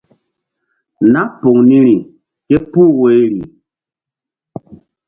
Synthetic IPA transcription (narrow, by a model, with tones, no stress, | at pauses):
na˦po˨ŋni˦ɾi˨ | ke˦pu˦we˦ɾi˨